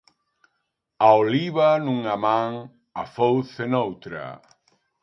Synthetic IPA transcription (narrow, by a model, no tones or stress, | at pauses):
aoliβanũŋamãŋ | afowθenowt̪ɾa̰